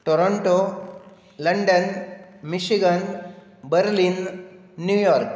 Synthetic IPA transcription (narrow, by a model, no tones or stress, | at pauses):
ʈoɾoɳʈo | ləɳɖənmiɕiɡən | bəɾlinː | jujɔɾk